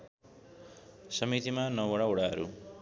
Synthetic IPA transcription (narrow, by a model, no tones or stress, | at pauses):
sʌmit̪imanʌwʌɽaoɽaɦʌɾu